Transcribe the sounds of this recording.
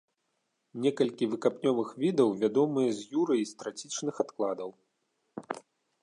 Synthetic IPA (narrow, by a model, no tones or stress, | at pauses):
nʲɛkɐlʲkʲivɨkapnʲɔvɨxvʲid̪ɐwvʲad̪ɔmɨjɐzʲjuɾɨjist̪ɾat͡sʲit͡ʂnɨxat̪klˠad̪ɐw